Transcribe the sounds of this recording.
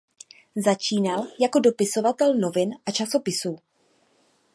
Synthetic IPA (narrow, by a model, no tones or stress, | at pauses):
zat͡ʃiːnaljako̞do̞pɪso̞vat̪ɛlno̞vɪnʔat͡ʃasopɪsuː